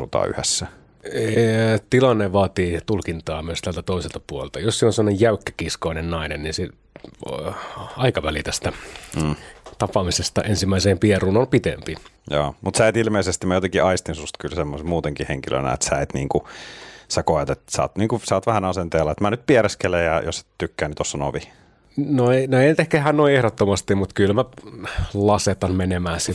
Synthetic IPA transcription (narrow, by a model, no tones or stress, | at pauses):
ṵt̪ɑ̰ːy̰hesːæ | t̪ilɑnːeʋɑːt̪iːt̪ulkint̪ɑːmyøst̪ælt̪æt̪oiselt̪ɑpuolelt̪ɑjossiːnonsemːŏnejjæykːæ̥kiskoinennɑinenninse | ɑikɑʋælit̪æst̪æ | t̪ɑpɑmisest̪ɑ̰ʔensimːæiseːmpieruːnolpit̪ḛmpijo̰ːmut̪sæet̪ilmeisest̪imæjot̪eŋkiɑist̪insust̪kylsemːosemuːt̪eŋkiheŋkilø̰næ̰ḛt̪sæet̪nḭːŋkusækoet̪et̪sɑ̰ːt̪niːŋkusɑːt̪ʋæhænɑsent̪eːlːɑet̪mænyt̪̚pieɾeskelejjɑjo̰se̥t̪ykːæːnit̪osːɑno̰ʋi | noenoeinyt̪ehkæehæːnnoiehɾot̪ːomɑst̪imut̪kylmæ | lɑset̪ɑnmenemæːsi